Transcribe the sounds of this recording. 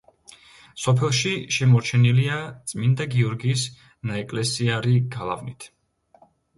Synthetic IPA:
sɔpʰɛlˠʃiʃɛmɔɾt͡ʃʰɛniliat̪sʼmind̪aɡiɔɾɡiːs | naɛkʼlɛsiaɾiɡ̥alˠa̰vnit̪ʰ

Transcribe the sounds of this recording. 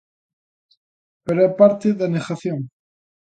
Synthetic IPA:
peɾoepaɾt̪eðanexaθjoŋ

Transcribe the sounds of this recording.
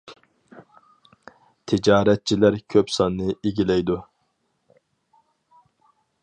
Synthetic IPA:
t̪ʰɪd͡ʒɑːɾɛt̪̚t͡ʃʰilæɾkʲʰøpsɑnːɨiɡʲilɛjd̪u

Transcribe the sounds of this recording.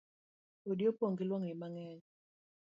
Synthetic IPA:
odjopoŋɡilwɔŋɪmaŋɛɲ

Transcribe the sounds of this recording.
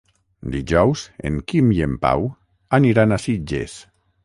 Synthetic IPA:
d̪iʒɔwzḛŋkimiempa̰w | aniɾanasid͡ʒḛs

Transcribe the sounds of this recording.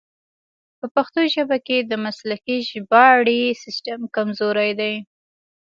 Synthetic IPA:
pəpaxt̪oʒəbaked̪əmaslakiʒbɑɽisɪsʈamkamzoɾajd̪aj

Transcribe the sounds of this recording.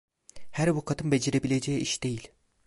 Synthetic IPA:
hæɾbukʰat̪ʰɯmbe̞d͡ʒeɾe̞bilʲed͡ʒejiʔiʃd̪e̞jilʲ

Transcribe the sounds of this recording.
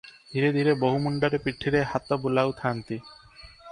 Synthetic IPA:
d̪ʱiɾed̪ʱiɾeboɦumuɳɖaɾepiʈʰːiɾehat̪ɔbulawt̪ʰaːnt̪i

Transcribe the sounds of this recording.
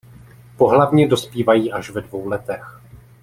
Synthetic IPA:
po̞ɦlavɲɛdo̞spiːvajiːʔaʃvɛdvo̞wlɛt̪ɛx

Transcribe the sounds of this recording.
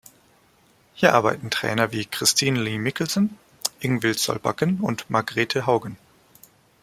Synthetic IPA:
hiːɐʔaɐba̰ɪtn̩tʁ̥ɛ̰ːnɐviːkʁ̥ɪstʰiːnliːmɪkl̩zn | ʔɪŋvɪlsɔ̰lba̰kənʊ̰ntmʔaɐɡʁeːtʰəɦaʊɡən

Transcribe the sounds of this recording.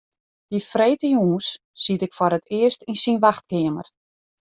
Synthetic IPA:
d̥ifreːtəjuːsː | itɪkfaɾətʰɪəstinsinʋaxt̚kɪəmə̰r

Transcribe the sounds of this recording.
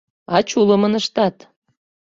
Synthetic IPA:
ɑt͡ɕuləmənəʃt̪ɑt̪

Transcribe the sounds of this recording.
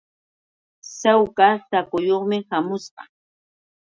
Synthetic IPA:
sawkasakʊjoχmɪhamʊsɢɑ̰

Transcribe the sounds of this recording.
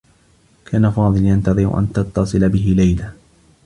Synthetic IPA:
kʰaːnafɑːðˤɨljant̪ɑðˤɨɾ̰ʔa̰nt̪ɑt̪ːɑsˤɨlabɪɦɪlajla

